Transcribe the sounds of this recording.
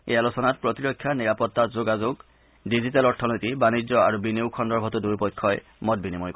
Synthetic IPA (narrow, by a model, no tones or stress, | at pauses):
ḛjalusɔnat̚pɹɔtiɹɔkʰːjaniɹapɔtːatzoɡazoɡ | dizitalɔɹtʰɔnojtibanid͡ʑzɔa̰ɹubineʊkʰɔndɔɹbʱɔtuduɹpɔjkʰːɔj | mɔt̚binimɔjpɔ